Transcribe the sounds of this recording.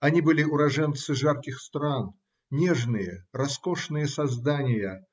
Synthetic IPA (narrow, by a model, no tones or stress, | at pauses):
ɐnʲibɨlʲɪʊɾɐʐɛnt̪sɨʐarkʲɪxst̪ɾan | nʲeʐnɨjərɐskoʂnɨjəsɐzd̪anʲɪjə